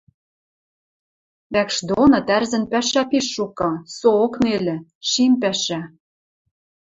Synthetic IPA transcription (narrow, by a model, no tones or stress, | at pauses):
βækʃd̪onɤ̆t̪ærzɘ̆npæʃæpiʃːukɤ̆sooknelɘ̆ʃimpæʃæ